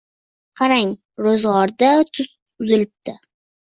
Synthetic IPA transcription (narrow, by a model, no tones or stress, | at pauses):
qʰɑɾaŋ | ɾozʁɒɾd̪at̪ʰʊs | ʊzɪlɪp̚t̪ʰɪ